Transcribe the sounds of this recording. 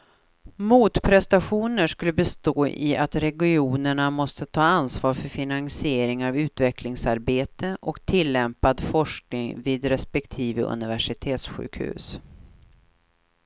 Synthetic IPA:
muːt̪pʰɾɛst̪aɧuːnəʂkɵlːəbɛst̪oːʔɪ̰ʔat̪ɾɛɡɪuːnəɳamɔst̪ət̪ʰɑːansvɑːɾfœɾfɪnansɪeːɾɪŋavʉ̟ːt̪vɛkʰlɪŋsaɾbeːt̪əʔɔkt̪ʰɪlːɛmpad̪fɔʂk̚nɪŋviːd̪ɾɛspɛkt̪ʰiːvəʔɵ̰nɪvæʂɪt̪ʰeːt̪sɧʉ̟̰ːkhʉ̟̰ːs

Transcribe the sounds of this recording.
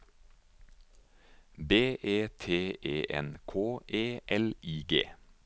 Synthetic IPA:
beːʔeːt̪ʰeːʔeːʔɛ̰nkʰoːʔeːʔɛliːɡḛː

